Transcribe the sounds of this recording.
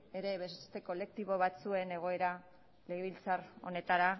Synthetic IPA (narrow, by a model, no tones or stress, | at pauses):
e̞ɾe̞βe̞sst̪e̞ko̞le̞k̚t̪iβo̞βat͡sue̞ne̞ɣ̞o̞e̞ɾa | le̞ɣeβilt͡saro̞ne̞t̪aɾa